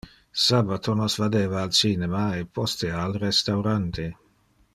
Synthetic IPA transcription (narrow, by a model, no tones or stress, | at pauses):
sabat̪ʰonɔsvad̪eːvaːlt͡ʃinemaepɔst̪ealrest̪awɾant̪e